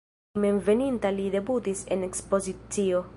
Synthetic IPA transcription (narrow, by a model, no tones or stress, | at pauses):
meɱvenint̪alid̪e̞but̪isenekspo̞zit̪t͡sio